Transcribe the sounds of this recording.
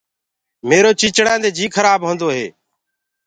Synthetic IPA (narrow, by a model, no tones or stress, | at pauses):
meːɾoːt͡ʃiːt͡ʃɽãːd̪eːd͡ʒiːkʰəɾaːbɦõːnd̪oːɦeː